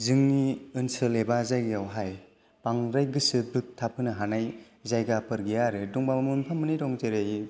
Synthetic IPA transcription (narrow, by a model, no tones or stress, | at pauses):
zɯŋniɯnsɯlebazajɡijawɦaj | paŋɾajɡɯsɯbɯk̚tʰapʰɯnɯɦanaj | zajɡapɯɾɡijaɾɯduŋbammunpʰamːɯniɾɔŋteɾej